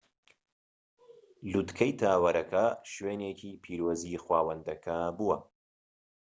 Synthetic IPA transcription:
lut̪kʰɐjt̪ʰaːwɐɾɐkʰɐʃweːneːkʰiːpʰiːɾoːzixwaːwɐnd̪ɐkʰɐbuwɐ

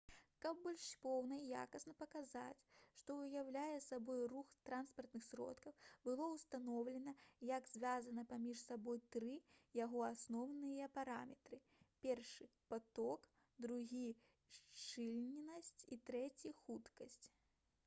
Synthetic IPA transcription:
kɐb̚bɔlʲʂpɔwnɐija̰kɐsnɐpɐkaza̰t͡sʲʂt̪ɔɨjawlʲajɛsabɔjruxt̪ɾanspɐrt̪nɨxsʲɾɔ̰t̪kɐwbɨlˠɔwst̪anɔwlʲɛnɐjɐɡzʲvʲazɐnɐpamʲiʂsabɔjt̪ɾɨjaɣɔasnɔwnɨjɐpaɾamʲɛt̪ɾɨ | pʲɛrʂɨpat̪ɔk | d̪ɾuɣʲi | ʂt͡ʂɨlʲnʲinɐsʲt͡sʲit̪ɾɛt͡sʲixut̪kɐsʲt͡sʲ

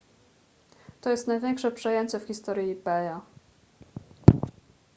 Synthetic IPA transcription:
t̪ɔjɛst̪najvʲjɛŋkʂɛpʂɛjeɲt͡ɕɛfxʲist̪ɔɾjiipɛja

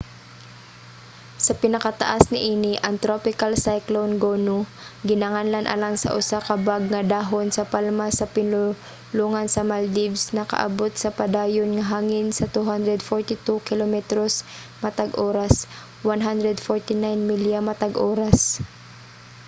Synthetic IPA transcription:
sɐpɪnɐkɐt̪ɐ̰ʔasnɪʔiːnɪʔɐŋt̪ɾopɪkalsajklonɡoːnʊ | ɡɪnɐŋanlanʔɐ̰laŋsɐ̰ʔʊsakɐbaɡ̚ŋɐd̪aːɦonsɐpalmasɐpɪnʊ | luːŋɐnsɐmald̪ibsnɐkɐ̰ʔɐ̰bot̪̚sɐpɐd̪aːjonŋɐɦaːŋɪnsɐt̪uɦand̪ɾɛd̪foɹt̪ɪt̪ukɪlomɛt̪ɾos | mɐt̪aɡʔoːɾas | wanɦand̪ɾɛd̪foɹt̪ɪnajnmɪljamɐt̪aɡʔoːɾas

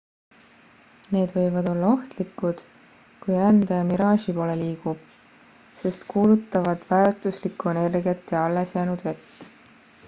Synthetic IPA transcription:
ne̞ːd̪vɤ̞jvɑd̪o̞lːɑo̞ht̪likːud̪̥ | kujɾænd̪ɑjɑmiɾɑːʃipo̞ːle̞liːɡ̥ub̥ | se̞st̪kuːlut̪ːˑɑvɑd̪̥væt̪ˑuslikːˑuene̞rɡjet̪ːjɑɑlːesjæːnud̪̥ve̞t̪ː

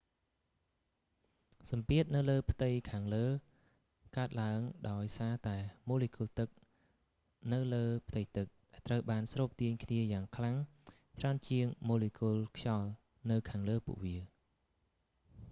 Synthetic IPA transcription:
sɑmpiət̪̚nɨwləːpʰt̪ɨjkʰaːŋləː | kaət̪̚laəŋɗaɔjsaːt̪aɛmoːlikuəlt̪ɨk̚ | nɨwləːpʰt̪ɨjt̪ɨk̚ɗaɛt̪rəwɓaːnsroːp̚t̪iəɲkʰniəjaːŋkʰlaŋ | t͡ɕraənt͡ɕiəŋmoːlikuəlkʰjɑl | nɨwkʰaːŋləːpṵəʔʋiə

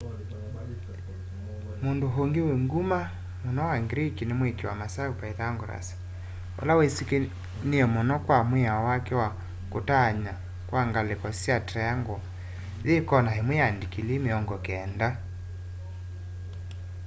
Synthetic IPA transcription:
mondoɦoŋɡeweŋɡuma | monɔwaŋɡɾekinemwekewamasaupaeðaŋɡoɾa̰sḁ | ɔ̰lawesike | neɛmɔnɔkwamweawakɛwa | kotaɲa | kwaŋɡalekɔsjatajaŋɡo | ðekɔnaɦemweandikilemeɔŋɡɔkɛːnda

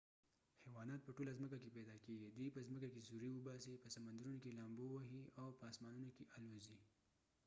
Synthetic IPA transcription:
hɛwɑnɑt̪̚pəʈolazməkakepɛd̪ɑkeɡid̪ipəzməkakezuɾiwəbɑsipəsamand̪aɾunokelɑmbowaɦiawpəːsmɑnunakeʔalozi

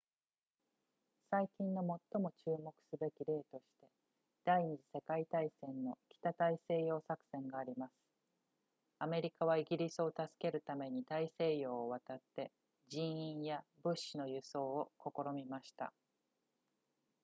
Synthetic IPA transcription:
saikʲĩnːo̞mo̞t̪ːo̞mo̞t͡ɕɨːmo̞kɯ̥sɨbe̞kʲiɾe̞ːt̪o̞ɕi̥t̪e̞ | d̪̥aiɲ̟id͡ʑise̞kait̪aisẽ̞nːo̞kʲi̥t̪at̪aise̞ːjo̞ːsakɯ̟̥sẽ̞ŋɡaːɾʲimasɨ̥ | ame̞ɾʲikaβ̞aiɡʲiɾʲisɨo̞t̪asɨ̥ke̞ɾɯ̟t̪ame̞ɲ̟it̪aise̞ːjo̞ːβat̪at̪ːe̞ | d͡ʑĩɰ̃ĩɰ̃jabɯ̟ɕːino̞jɯ̟so̞ːoko̞ko̞ɾo̞mʲimaɕi̥t̪a̰

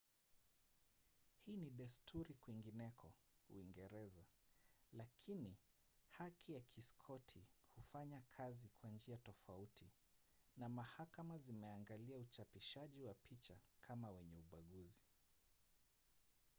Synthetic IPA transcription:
hiːniɗɛstʰuɾikwiŋɡinɛkʰɔṵiŋɡɛɾɛzalakʰini | hakʰijakʰiskʰɔtʰihufaɲakʰazikwand͡ʒiatɔfautʰi | namahakamazimɛaŋɡaliaut͡ʃapiʃaʄiwapʰit͡ʃakʰamawɛɲɛuɓaɠuzi

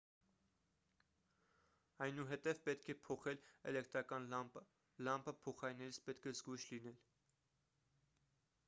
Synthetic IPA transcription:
ɑjnuɦɛt̪ɛvpɛt̪kʰɛpʰɔχɛlɛ̰lɛkt̪ɾɑkɑn | lɑmpʰəpʰɔχɑɾinɛɾit͡sʰpɛt̪kʰɛzɡujʃlinɛl

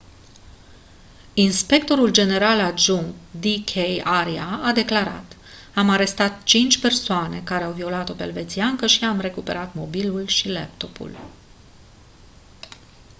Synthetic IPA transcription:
inspe̞kt̪o̞ɾuld͡ʒe̞ne̞ɾalad͡ʒuŋkd̪ikʰejaɾiaad̪e̞klaɾa̰t̪ | amaɾe̞st̪at̪t͡ʃint͡ʃʲpe̞rsoane̞kaɾe̞awvio̞lat̪o̞pḛlve̞t̪siaŋkəʃiamre̞kupe̞̰ɾat̪mo̞bilulʃilḛp̚t̪o̞pṵl

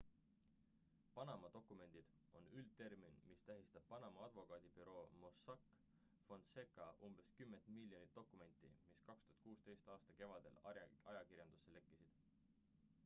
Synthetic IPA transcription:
pɑnɑmɑd̪o̞kːˑume̞nʲd̪̥id̪̥ | o̞nylt̪e̞rminmist̪æɦist̪ɑb̥̚pɑnɑmɑɑd̪vo̞kɑːd̪̥ib̥yɾo̞ːmo̞sɑkːˑ | fo̞nd̪̥se̞kːˑɑʔumb̥e̞skymːe̞nt̪milːjo̞nit̪ːo̞kːˑume̞nʲt̪ːˑḭmiskɑkst̪uhɑ̥t̪̚kuːst̪e̞jst̪ɑːst̪ɑke̞vɑd̪̥e̞̰lɑjɑɑjɑkirjɑnd̪usːe̞le̞kˑːisid̪̥

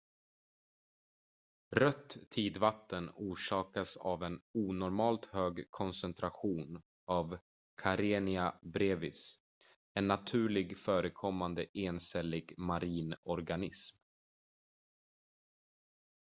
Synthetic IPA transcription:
ɾœt̪ːʰiːd̪vat̪ːənuːʂɑːkasa̰vɛnuːnɔɾmɑːlt̪høːɡkʰɔnsɛnt̪ʰɾaɧuːn | av | kʰaɾeːnɪabɾeːvɪ̰s | ɛnːat̪ʰʉ̟ːɭɪɡfœːɾəkʰɔmːand̪əʔeːnsɛlːɪɡmaɾiːnɔɾɡanɪsm

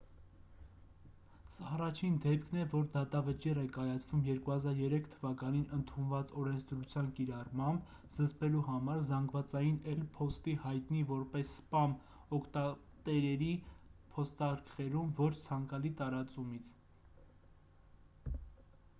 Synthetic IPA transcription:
sɑːrɑt͡ʃʰind̪ɛpkʰnɛvɔɾd̪ɑt̪ɑvət͡ʃirɛkɑjɑt͡sʰvumjɛɾkuhɑzɑɾjɛɾɛkʰt̪ʰəvɑkɑninʔənt̪ʰunvɑt͡sɔɾɛnt͡sʰd̪ɾut͡sʰjɑnkiɾɑrmɑmb | z̥əzpɛluɦɑmɑɾzɑŋɡvɑt͡sɑjinɛlpʰɔst̪ihɑjt̪nivɔɾpɛsːpɑm | ɔkʰt̪ɑ | t̪ɛɾɛɾipʰɔst̪ɑɾkχɛɾumvɔt͡ʃʰt͡sʰɑŋkɑlit̪ɑɾɑt͡sumit͡sʰ

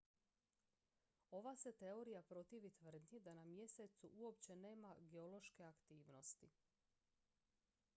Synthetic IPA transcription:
o̞ʋase̞t̪e̞o̞ɾijapɾo̞t̪iʋit̪ʋr̩d̪nid̪anamje̞set̪suʔuo̞pt͡ɕe̞ne̞ːmaɡeo̞lˠo̞ʃke̞akt̪iːʋno̞st̪i

